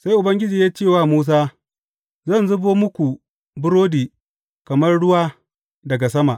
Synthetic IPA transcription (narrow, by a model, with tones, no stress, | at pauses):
sa˦jʔʊ˨bɐ˦ŋɡʲɪ˦d͡ʒiː˨jaː˦t͡ʃeː˦˨waː˦˨muː˦s̬aː˦ | zɐ˦˨nzʊ˦boː˦mʊ˦kʷu˨ | bʊ˦ɾoː˦diː˨ | kɐ˨mɐ˦rɽʊ˦waː˦ | dɐ˨ɡa˨s̬ɐ˦ma˨ʔ